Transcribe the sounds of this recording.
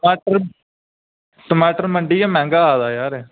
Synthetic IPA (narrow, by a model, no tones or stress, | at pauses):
maːʈəɾ | ʈəmaːʈəɾməɳɖiːɛːmɛ̃ːŋɡaːaːd̪aːjaːɾɛː